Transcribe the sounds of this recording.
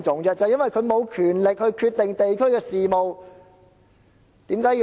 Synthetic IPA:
t͡sʊ˨˥ŋt͡sɛ˥t͡sɐ˨jnwɐ˨jkʰɵ˨˧ɥmo˨˧wkʰyː˨˩nlɪ˨k̚hɵ˧ɥkʰyː˧t̚t̪ɪ˨ŋt̪e˨jkʰɵ˥ɥkɛː˧siː˨mo˨w | t̪iː˨˥mkaː˨˥j

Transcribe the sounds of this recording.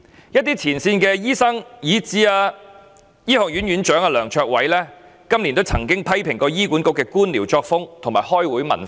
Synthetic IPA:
jɐ˥t̚t̪iː˥t͡sʰiː˨˩nsiː˧nkɛː˧jiː˥sɐ˥ŋjiː˨˥t͡siː˨˥aː˧ | jiː˥hɔː˨˧k̚ɥy˨˥nɥyː˨˥nt͡ʃœː˨˥ŋaː˧lœː˨˩ŋt͡ʃʰœː˧k̚wɐ˨˥jlɛː˥ | kɐ˥mliː˨˩nt̪o˥wt͡sʰɐ˨˩ŋkɪ˥ŋpʰɐ˥jpʰɪ˨˩ŋkɔː˧jiː˥ku˨˥nkʊ˥kːɛː˧kuː˥nliː˨˩wt͡ʃɔː˧k̚fʊ˥ŋt̪ʰʊ˨˩ŋmaː˨˩jhɔː˥jwuː˨˥jmɐ˨˩nf

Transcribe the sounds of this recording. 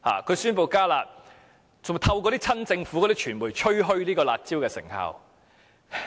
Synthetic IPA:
ha̰ː˨kʰɵ˨˧syː˥npo˧wkaː˥la̰ː˧t̚ | t͡sʊ˨ŋt̪ʰɐ˧wk̬ɔː˧ɾiː˥t͡sʰɐ˥nt͡sɪ˧ŋfu˨˥kɔ˨˧ɾiː˦˥t͡ʃʰyː˨˩nmuː˨˩jt͡ʃʰɵ˥ɥɦɵ˥ɥliː˥kɔː˧laː˨t̚t͡siː˥wkɛː˧sɪ̰˨˩ŋha̰ː˧w

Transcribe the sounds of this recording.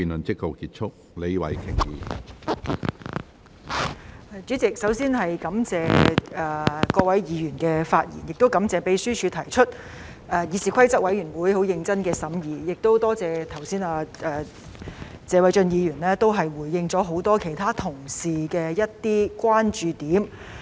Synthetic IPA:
iː˨nlɵ˨˩nt͡sɪ˥k̚ho˨˩kiː˧˥t̚t͡ʃʰʊ˥k̚ | le˨˧jwɐ̰˨˥jkʰɪ˨˩ŋjḭː˨˧˨ | t͡ʃy˨˥t͡sɪ˨k̚sɐ˨˥wsiː˥nɦɐ˨jkɐ˨˥mt͡sɛː˨˧ɛː˨kɔː˧wɐ˨˥jjiː˨˧jyː˨˩nkɛː˧faː˧t̚jḭ˨˩njɪ˨k̚t̪o˥wkɐ˨˥mt͡sɛː˨pe˨˥jsyː˥t͡ʃʰyː˨˧t̪ʰɐ˨˩jt͡ʃʰɵ˥t̚ | ɛː˨˩jiː˨˧siː˨kʷʰɐ˥jt͡sɐ˥k̚wɐ˨˥jɥyː˨˩nwuː˨˥jho˨˥wjɪ˧ŋt͡sɐ˥nkɛː˧sɐ˨˥mjiː˨˧jɪ˨k̚t̪o˥wt̪ɔː˥t͡sɛː˨t̪ʰɐ˨˩wsiː˥naː˧ʔɛː˨˩ | t͡sɛː˨˧wɐ˨˥jt͡ʃɵ˧njiː˨˧jyː˨˩nlɛː˥t̪o˥wɦɐ˨jwu˨˩jːɪ˧ŋt͡sɔː˨˥ɦo˨˥wt̪ɔː˥kʰe˨˩jt̪ʰaː˥t̪ʰʊ˨˩ŋsiː˨˩kɛː˧jɐ˥t̚t̪iː˥kʷwaː˥nt͡ʃyː˨˧t̪iː˨˥m

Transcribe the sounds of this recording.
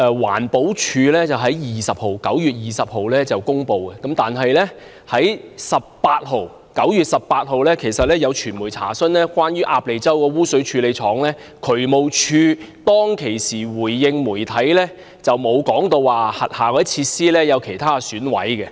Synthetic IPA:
ɛ˧wa̰ː˨˩npo˨˥wt͡ʃʰyː˧lɛː˥t͡sɐ˨wɦɐ˨˥jjiː˨sɐ˨p̚ho˨wkɐ˨˥wjyː˨t̚jiː˨sɐ˨p̚ho˨wlɛː˥t͡sɐ˨wkʊ˥ŋpo˨˧wkɛ˧kɐ˨˥mt̪aː˨nɦɐ˨jlɛː˥ | hɐ˨˥jsɐ˨p̚paː˧t̚ho˨˧w | kɐ˨˥wjyː˨t̚sɐ˨ppaː˧t̚ɦo˨˧wlɛː˥kʰe˨˩jsɐ˨t̚lɛː˥jɐ˨˧wt͡ʃʰyː˨˩nmuː˨˩jt͡sʰa̰ː˨˩sɵ˥nlɛː˥kwaː˥njyː˥ʔaː˧p̚le˨˧jt͡sɐ˥wkɛː˧wuː˥sɵ˨˥t͡ʃʰyː˧le˨˧jt͡ʃʰɔː˨˥ŋlɛː˥ | kʰɵ˨˩ɥmo˨˩wt͡ʃʰyː˧t̪ɔː˥ŋkʰe˨˩jsiː˨˩wuː˨˩jːɪ˧ŋmuː˨˩jt̪ʰɐ˨˥jlɛː˥ | t͡sɐ˨wmo˨˧wkɔː˨˥ŋt̪o˧wːaː˨hɐ˨t̚haː˨kɔː˨˧dt͡sʰiː˧tsiː˥lɛː˥jɐ˨˧wkʰe˨˩jt̪ʰaː˥syː˨˥nwɐ̰˨˥jkɛ˧

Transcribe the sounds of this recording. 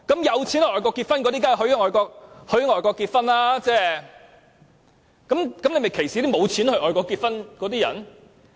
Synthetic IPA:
kɐ˨˥mjɐ˨˧wt͡sʰi˨˥nhʔɔː˨˩jk̬ɔː˧kːiː˧t̚fɐ˥nkɔ˨˧ɾi˥k̬aː˥˨ɦɵ˧˥ɥŋɔː˨˩jkɔː˧k̚hɵ˨˧˥ɥŋɔː˨jkɔː˧kːiː˧t̚fɐ˥nlaː˥t͡sɛː˥ | kɐ˨˥mkɐ˨˥mne˨˧jme˨jkʰe˨˩jsi˨˥˦t̪i˥mo˨˧wt͡sʰiː˨˥nhɵ˧ʔɔː˨jkɔː˧kːiː˧t̚fɐ˥nkɔ˨˧˥t̪iː˥jɐ̰˨˩n

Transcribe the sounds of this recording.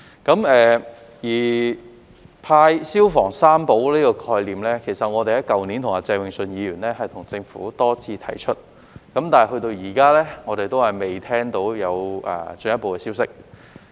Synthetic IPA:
kɐ˨˥mɛː˨ | jiː˨˩ | pʰaː˧jsiː˥wfɔː˨˩ŋsaː˥mpo˨˥wliː˥kɔː˧kʰɔː˧jliː˨mlɛː˥kʰe˨˩jsɐ˨t̚ŋɔː˨˧t̪e˨jɐ˥kɐ˨wniː˨˥nt̪ʰʊ˨˩ŋaː˧t͡sɛː˧ŋwɪ˨ŋsɵ˧njiː˨˧jyː˨˩nlɛː˥ɦɐ˨jt̪ʰʊ˨˩ŋt͡sɪ˧ŋfṵː˨˥t̪ɔː˥t͡sʰiː˧t̪ʰɐ̰˨˩jt͡ʃʰɵ˥t̚ | kɐ˨˥mt̪aː˨nɐ˨˩ɦɵ˧ɥt̪o˧wjiː˨˩kaː˥lɛː˥ŋɔ˨˧ɾe˨jt̪o˥whɐ˨jme˨˩jt̪ʰɛː˥ŋt̪o˨˥wjɐ˨˧wɛ̰ː˨t͡sɵ˨˧njɐ˥tpo˨˧wkɛː˧si˥wsɪ˥k̚

